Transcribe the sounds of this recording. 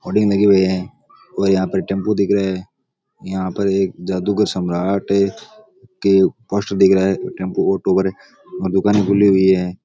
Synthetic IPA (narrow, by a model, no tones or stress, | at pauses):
ɔːɖɪ̃ŋnəɡibʊɛ̃ː | ɔːɾjɐɦãːpəɾʈɛ̃ːmpod̪ɪkʰɾaɦɛː | jəɦãːpəɾeːk̚d͡ʒaːd̪uɡəɾsəmɾaːʈɦɛ | kepɔːsʈəɾd̪ɪkʰɾaɦɛʈẽːmpoɔːʈoːbəɾɦ | ɔːɾd̪ʊkaːnekʊliɦʊiɦɛː